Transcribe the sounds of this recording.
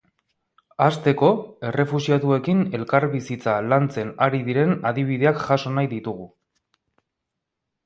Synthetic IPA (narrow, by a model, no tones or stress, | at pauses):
ast̪e̞ko̞e̞re̞fuʃiat̪ue̞kine̞lkaɾβisit͡salant͡se̞naɾiðiɾe̞naðiβ̞iðe̞akʝaso̞najðit̪uɣ̞u